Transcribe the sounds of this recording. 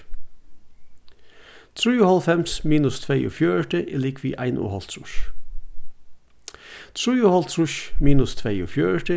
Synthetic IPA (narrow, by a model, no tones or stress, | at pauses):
t̪ʰɹʉːuːhɑlfɛmsmiːnʉst̪ʰʋeːʔṵːfjøːəʈəʔɪliːkʰʋḭːʔæɪnʔṵːhɑlt̪ʰɹʊ̰ʃ | t̪ʰɾʉːuːhɑlt̪ʰɹʊʃmiːnʉst̪ʰʋeːṵːfjøːəʈə